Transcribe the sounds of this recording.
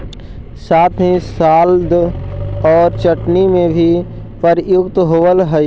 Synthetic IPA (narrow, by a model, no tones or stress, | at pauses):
saːt̪ʰĩsaːld̪ | ɔːɾt͡ʃəʈnimẽbʱi | pəɾjʊkt̪ɦoːʋəlɦəj